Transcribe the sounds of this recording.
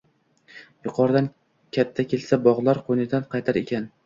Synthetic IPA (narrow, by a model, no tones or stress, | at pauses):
jʊqʰɒɾd̪an | kʲʰat̪ʰːakʲʰe̞lsabɒʁlˠaɾqʰojnɪd̪anqʰɑjt̪ʰaɾekʲʰan